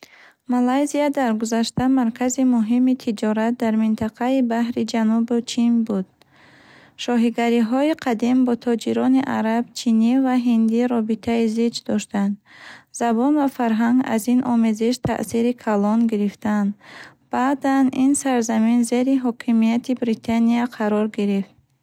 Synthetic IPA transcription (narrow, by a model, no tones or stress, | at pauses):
malajziad̪aɾɡuzaʃt̪amaɾkʰazimuɦimit̪ʰid͡ʒɔɾat̪̚d̪aɾmint̪ʰaqʰaibahɾid͡ʒanubut͡ʃʰinbud̪̥̚ | ʃɔɦiɡaɾiɦɔiqʰad̪imbɔt̪ʰɔd͡ʒiɾɔniʔa̰ɾab̥t͡ʃʰinivaɦind̪iɾɔbit̪ʰaizid͡ʒd̪ɔʃt̪and̪z̥abɔnvafaɾɦaŋɡa̰zinʔɔmeziʃt̪ʰa̰ʔsiɾikʰalɔnɡiɾift̪and̪ | b̥aːd̪aninsaɾzaminze̞ɾiɦɔkʰimijat̪ʰibɾit̪ʰaniaqʰaɾɔɾɡiɾift̪̚